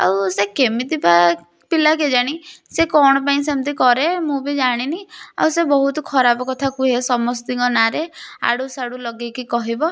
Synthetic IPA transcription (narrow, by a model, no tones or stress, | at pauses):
a̰wsekemit̪ipa | pilak̬ed͡ʒaɽ̃isekɔɽ̃ɔpaĩsemt̪ikɔɾemũbid͡ʒaɽ̃inia̰wsebɔɦut̪ɔkʰɔɾabɔkɔt̪ʰakuɦesɔmɔsd̪iŋɡɔnaɾea̰ɽusaɽulɔɡekikɔɦibɔ